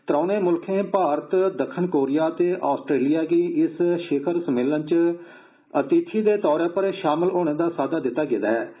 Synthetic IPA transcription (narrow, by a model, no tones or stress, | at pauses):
t̪əɾãːneːmʊlkʰẽːpaːɾət̪d̪əkʰːənkoːɾɪjaːt̪eːʔaːsʈɾeːlɪjaːɡiːɪsʃeːkʰəɾsəmeːlənt͡ʃ | ət̪iːt̪ʰiːd̪eːt̪ɔːɾeːpəɾʃaːməlɦoːɳ̃ẽːd̪aːsaːd̪aːd̪ɪt̪ːaːɡɪd̪aːɛː